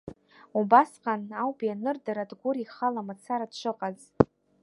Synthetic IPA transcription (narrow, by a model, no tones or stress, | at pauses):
ubasqʼanawbianɨrdaɾadɡʷʊɾiχalamat͡sʰaɾadʃʷɨqʼaz